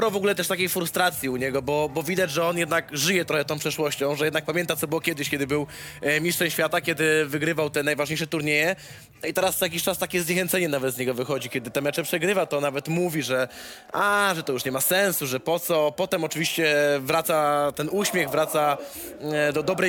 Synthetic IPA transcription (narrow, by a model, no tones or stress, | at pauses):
ɾɔvɔɡulɛt̪ɛʂt̪akʲejfɾust̪ɾat̪sʲjiuɲɛɡɔbɔbɔvʲid̪ad͡ʑʐɛɔnjɛd̪nakʐɘjɛt̪ɾɔxɛt̪ɔ̃w̃pʂɛʂwɔɕt͡ɕɔ̃w̃ʐɛjɛd̪nak̚pamʲjɛnt̪asɔbɘwɔkʲɛd̪ɘɕkʲɛd̪ɘbɘw | mʲiʂt͡ʂɛɲɕfʲjat̪akʲɛd̪ɘvɘɡɾɘvawt̪ɛnajvaʐɲejʂ̬ɛt̪uɾɲejɛ | nɔit̪ɛɾaszjak̬ʲiɕt͡ʂast̪akʲɛzɲɛxɛnt̪sɛɲɛnavɛd̪zɲɛɡɔvɘxɔd͡ʑikʲjɛd̪ɘt̪ɛmɛt͡ʂɛpʂɛɡɾɘvat̪ɔnavɛt̪muvʲiʐɛʔaʐɛt̪ɔjuʂɲɛmasɛnsuʐɛpɔt̪sɔpɔt̪ɛmɔt͡ʂɘvʲiɕt͡ɕɛvɾat̪sat̪ɛnuɕmʲjɛɣvɾat̪sa | d̪ɔd̪ɔbɾɛ